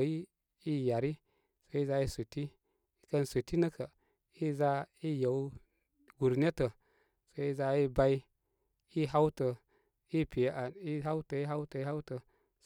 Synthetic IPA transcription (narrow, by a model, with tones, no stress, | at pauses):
ji˦ | i˦ja˨ɾi˦ | so˨˦i˦za˧˦i˦su˨ti˦ | i˦kə˦nsu˨ti˦nə˦kə˨ | i˦za˦i˦jə˨w | ɡu˨ɾne˦tə˨ | so˨i˦za˧i˦ba˦i˦ | i˦ɦa˦wtə˨ | i˦pi˨jʔa˨i˦ɦa˦wtə˨i˦ɦa˦wtə˨i˦ɦa˦wtə˨